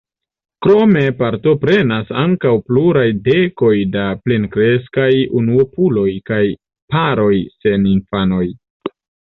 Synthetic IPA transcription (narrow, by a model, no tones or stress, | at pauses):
kɾo̞me̞paɾto̞pɾe̞nasaŋkawpluɾajde̞ko̞jdaplenkɾe̞skajunuopulo̞jkaj | paɾo̞jse̞ninfano̞j